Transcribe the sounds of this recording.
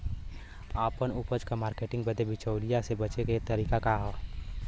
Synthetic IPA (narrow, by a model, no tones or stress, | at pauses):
aːpənupəd͡ʒkamaːɾkeːʈɪ̃ŋɡbəd̪ʱebɪt͡ʃəʊlijasebət͡ʃeket̪əɾiːkakaɦ